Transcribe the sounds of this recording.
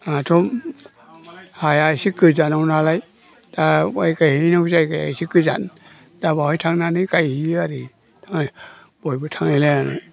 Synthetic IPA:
atʰom | hajajsikɯzanawnalaj | d̥awa̰jkajhinawsajkaja̰jsikɯza̰n | dabawhajtʰaŋnanikajhiaɾi | tʰaŋaj | b̥ɔjbɯtʰaŋalɛnana̰j

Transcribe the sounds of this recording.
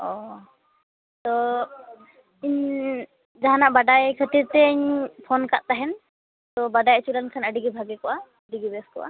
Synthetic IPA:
ɔ | t̪ɔ | iɲ | d͡ʒaɦanaʔbaɖajkʰət̪iɾt̪ɛɲpʰɔnkaʔt̪aɦɛn | t̪ɔbaɖajət͡ʃulankʰanəɖiɡibʱaɡɛkɔʔa | əɖiɡibɛskɔ̰ʔa̰

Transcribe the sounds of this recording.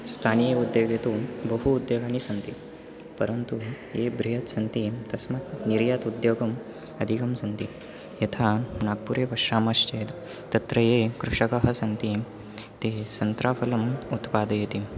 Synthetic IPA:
st̪ʰanijud̪joɡjet̪obəɦuːd̪joɡanisɐnt̪i | pəɾənt̪ujebɾiɦət̪sɐnt̪it̪ɐsmak̪niɾjat̪ud̪joːɡɐm | ɐd̪ʱikɐmsɐnt̪i | jet̪ʰanaɡ̚puɾeʋɐʂɾaːməst͡ʃed̪ | t̪ːɐt̪ɾəjekɾuʂəkəɦɐsɐnt̪i | t̪esɐnt̪ɾapʰɐlɐmut̪pad̪jet̪i

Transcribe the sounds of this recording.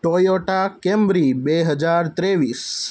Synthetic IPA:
ʈojoʈakɛ̃mbɾibeɦəd͡ʒaɾt̪ɾeʋis

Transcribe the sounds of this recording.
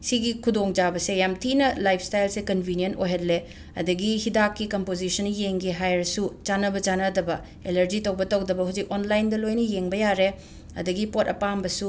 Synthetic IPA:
siɡikʰudoŋd͡ʒabɐsejamtʰinɐlajpʰstajlsekɐnbʱinijentojɦɐtle | ɐ̰dɐɡihidakːikɐmpod͡ʒisɐnjeŋɡiɦajɾɐsut͡ʃanɐbɐt͡ʃanɐdɐbɐ | elɐɾd͡ʒitɐwbɐtɐwdɐbɐɦud͡ʒik̚onlajndɐlojnɐjeŋbɐjaɾe | ɐ̰dɐɡipotɐ̰pambɐsu

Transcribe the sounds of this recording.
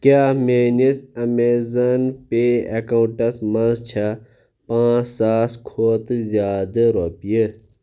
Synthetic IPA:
kjaːmeːnisɐmeːzɐnpeɐkɐuɳʈɐsmɐnzt͡ʃʰɐ | pãːsaːskʰoːt̪ɨzjaːd̪ɐɾopijə

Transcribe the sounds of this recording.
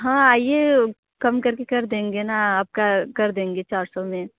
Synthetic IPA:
ɦãːaːie | kɐmkɐɾkekɐɾd̪ẽːŋɡenaaːb̚kakɐɾd̪ẽːŋɡet͡ʃaːɾsɔmẽ

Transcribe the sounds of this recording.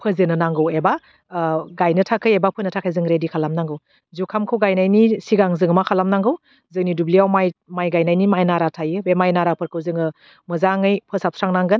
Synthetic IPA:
pʰɯzɯnɯnaŋɡɯweba | ɡajnɯtʰakʰɯjebapʰɯnɯtʰakʰajzɯŋɾedikʰalamnaŋɡɯw | zukʰamkʰɯwɡajnajnisiɡaŋzɯŋɯmakʰalamnaŋɡɯw | zɯnidubliawmajmajɡajnajnimajnaɾatʰajɯbemajnaɾapʰɯɾkʰɯwzɯŋɯ | mɯzaŋɯjpʰɯsap̚sʰɾaŋnaŋɡɯn

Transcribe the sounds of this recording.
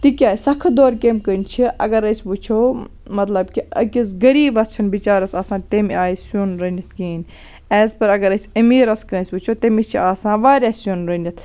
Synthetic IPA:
t̪ikʲaːjsɐkʰd̪oːɾkeːmkənʲt͡ʃʰiʔɐ̰ɡɐɾɐsʲbut͡ʃʰoː | mɐt̪lɐbkiɐ̰kʲisɡɐɾiːbɐst͡ʃʰɐnbit͡ʃaːɾɐsaːsãːt̪emiaːsunɾɐnʲɐt̪̚ʰkiːn | ɛːzpɐɾɐɡɐɾɐsʲɐmiːɾɐskɐnʲsʲbut͡ʃʰoːt̪emit͡ʃʰiaːsãːʋaːɾʲaːsjunɾɐnʲɐt̪ʰ

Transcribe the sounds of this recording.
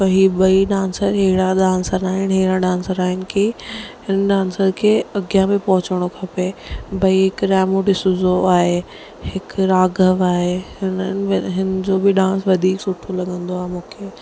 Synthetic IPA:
ɐɦiːɓɐiɗãːnsəɾɦɪɽaɗãːsəɾaːɦɪnɦɪɦɪɽaɗãːnsəɾaːɦɪnɪ̆kihɪnɗãːnsəɾkʰeːɐɡijamẽpɐɦʊt͡ɕəɽ̃okʰɐpebɐiɦɪkɾaːmoɖɪsʊ̃zoaːɦe | hɪkɾaːɡʱəʋaːɦeɦɪnənɪ̆ɦɪnɪ̆d͡ʑobɪɗãːnsʋɐd̪ʱiːksʊʈʰolɐɠə̃nd̪oaːɦemũːkʰeː

